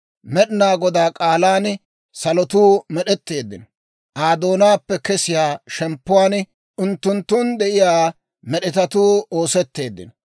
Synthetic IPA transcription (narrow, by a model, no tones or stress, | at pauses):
mɛɗɪnaːɡɔd̪aːkʼaːlaːn | sɐlɔt̪uːmɛɗɛt̪ːe̞ːd̪ːɪ̰n | ʔaːd̪o̞ːnaːpːɛkɛsɪjaːʃɛmpːʊwaːn | ʔʊnt̪ːʊnt̪ːʊnd̪ɛʔɪjaː | mɛɗɪt̪ɐt̪uːo̞ːsɛt̪ːe̞ːd̪ːɪ̰n